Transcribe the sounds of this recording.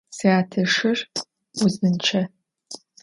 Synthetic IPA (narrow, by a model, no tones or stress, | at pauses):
siaːtʰɐʂɨr | ʊznɨnt͡ʃʰɐ